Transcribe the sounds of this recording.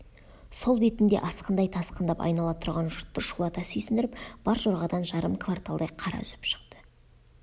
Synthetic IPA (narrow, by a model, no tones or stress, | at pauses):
so̞lˠbe̞t̪ɪnd̪e̞̰ʔɑsqənd̪ɑjt̪ʰɑsqənd̪ɑpɑ̰jnɑlˠɑt̪ʰʊɾʁɑnʒʊɾt̪ːəʃulˠɑt̪ɑsʏjsɪnd̪ɪɾɪpb̥ɑɾʒoɾʁɑd̪ɑnʒɑɾəmkʰvart̪alˠd̪ɑjqʰɑɾɑ̰ʏzɪpʃə̥qt̪ə̥